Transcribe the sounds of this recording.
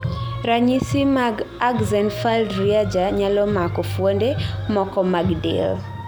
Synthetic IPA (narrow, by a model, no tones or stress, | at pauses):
ɾaɲisimaɡaɡzɛnfaldɾiad͡ʒaɲalɔmakɔfwondemɔkɔmaɡdɪ̰l